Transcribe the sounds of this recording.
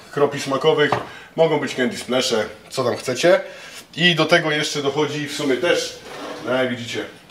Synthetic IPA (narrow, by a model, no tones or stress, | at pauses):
kɾɔpʲiʂmakɔvɘxmɔɡɔ̃w̃bɘt͡ɕkɛnd̪ʲisplɛʂɛt̪sɔt̪amxt̪sɛt͡ɕɛid̪ɔt̪ɛɡɔjɛʂt͡ʂɛd̪ɔxɔd͡ʑifsumʲjɛt̪ɛʂɛvʲid͡ʑit͡ɕɛ